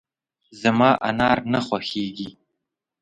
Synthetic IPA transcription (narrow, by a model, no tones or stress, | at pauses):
zamɑːʔa̰nɑɾnaxwaxeɡi